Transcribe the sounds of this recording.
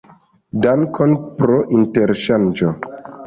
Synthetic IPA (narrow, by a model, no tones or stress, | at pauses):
dankʰonpɾoʔinteɾʃand͡ʒo